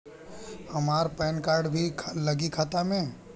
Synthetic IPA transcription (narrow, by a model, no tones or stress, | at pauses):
hɐmaːɾpɛːnkaːɾɖbʱikʰlɐɡikʰaːt̪amẽ